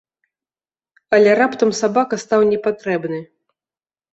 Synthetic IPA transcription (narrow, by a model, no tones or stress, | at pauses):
ɐlʲɛɾapt̪ɐmsabakɐst̪awnʲɛpat̪ɾɛbnɨ